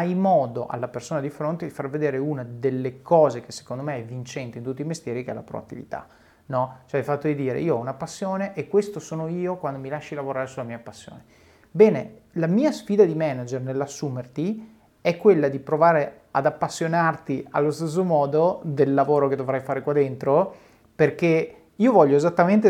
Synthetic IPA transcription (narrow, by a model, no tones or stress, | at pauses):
ajmɔːd̪oʔa̰lːapersoːnad̪ifɾont̪ed̪ifarved̪eːɾeunad̪elːekɔːzekesːe̥kond̪omeɛvːint͡ʃɛnt̪eint̪ut̪ːimest̪jɛːɾikeɛ̰la̰pɾo̰a̰t̪ːḭvḭt̪a̰ | nɔt͡ʃoajfat̪ːod̪id̪iːɾḛiːoɔunapasːjoːneʔekːwest̪osoːnoiːokwand̪omilaʃːilavoɾaːɾesulamiːapasːjo̰ːne | bɛːne | lamiːasfiːd̪ad̪imɛnad͡ʒernelːasːuːmert̪i | ɛkːwelːad̪ipɾovaːɾe | a̰d̪apːasːjonart̪ia̰lːost̪es̬ːomɔːd̪od̪elːavoːɾoked̪ovɾajfaːɾekwad̪ːent̪ɾo | perke | iːovɔʎːoezat̪ːament̪̬e